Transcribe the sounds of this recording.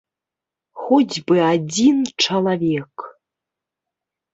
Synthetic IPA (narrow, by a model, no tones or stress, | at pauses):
xod͡zʲbɨad͡zʲinʈ͡ʂɐlˠavʲek